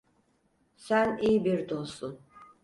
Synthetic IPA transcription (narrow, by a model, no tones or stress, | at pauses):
sænijbiɾd̪osun